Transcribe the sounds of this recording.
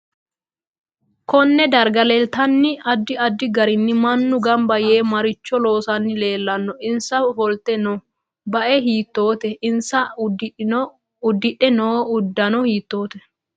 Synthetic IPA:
kɔnːɛd̪ɐɾɡɐlɛlt̪ɐnːɪɐd̪ːɪɐd̪ːɪɡɐɾɪnːɪmɐnːʊɡɐmbɐjeːmɐɾɪt͡ʃːɔlo̞ːsɐnːɪle̞ːlːɐnːɔɪnsɐhɔlt̪ɛnɔ | bɐʔɛɦiːt̪ːo̞ːt̪ɛɪnsɐ | ʊd̪ːɪᶑːɛnoːʊd̪ːɐnɔhiːt̪ːo̞ːt̪ɛ

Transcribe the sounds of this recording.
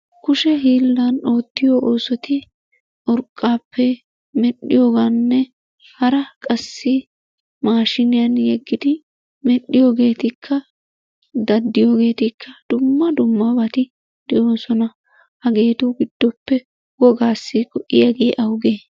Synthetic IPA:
kʊʃɛɦiːlːɐno̞ːt̪ːɪjoːʔoːsɔt̪ɪ | ʔɔɾkʼːaːpʰːɛ | mɛɗːɪ̰joːɡanːɛ | hɐɾɐkʼɐsːɪ | maːʃɪnɪjɐnjɛɡːɪd̪ɪ | mɛɗːɪjo̞ːɡe̞ːt̪ɪkʰːɐ | d̪ɐd̪ːɪjo̞ːɡe̞ːt̪ɪkʰːɐd̪̥ʊmːɐd̪ʊmːɐbɐt̪ɪ | d̪̥ɛʔo̞ːsɔnɐ | hɐɡe̞ːt̪ʊɡɪd̪̥ːɔpːɛ | ɡɔɡaːsːɪkʼɔʔɪjaɡeːʔɐwɡeː

